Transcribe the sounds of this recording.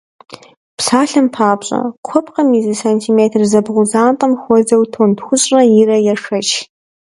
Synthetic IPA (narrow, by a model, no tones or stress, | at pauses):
pʰsaːɬɨmpʰaːpɕʼɐ̰kʷʰɔpqɐmizɨsantʰimeːtʰrzɐbʁʷʊzaːntʼɐmxʷɔzɐwtʰondxʷʊɕʼrɐjirɐjaʂɐt͡ʃʰ